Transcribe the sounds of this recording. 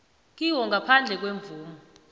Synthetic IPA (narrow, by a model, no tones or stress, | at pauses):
k̬ʼiwɔŋɡʱapʰand͡ɮʱɛk̬weɱb̪vuːmɔ